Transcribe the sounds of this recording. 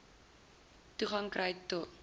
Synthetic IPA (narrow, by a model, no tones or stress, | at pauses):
tuχɐŋkrəjtɔt